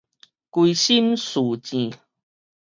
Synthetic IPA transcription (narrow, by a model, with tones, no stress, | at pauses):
kwi˧ɕi˦msu˨˩t͡ɕĩ˨